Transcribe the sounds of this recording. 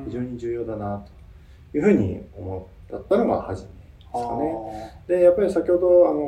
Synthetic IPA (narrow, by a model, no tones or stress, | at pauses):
çiʑo̞ːɲ̟id͡ʑɨːjo̞ːd̪anat̪o̥ | jɯ̟ːɸɯ̟ːɲ̟ḭo̞mot̪ːat̪ːanoɡa̰haʑimed̪eskane̞d̪e̞japːaɾʲisakʲiho̞d̪o̞ano̞